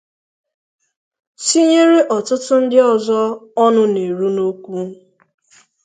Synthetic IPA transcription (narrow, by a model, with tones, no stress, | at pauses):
si˦ɲe˦ɾe˦ʔɔ˨tʊ˦tʊ˦n̩˦dɪ˦ɔ˦zɔ˦ɔ˦nʊ˦ne˨ɾu˦no˦kʷu˦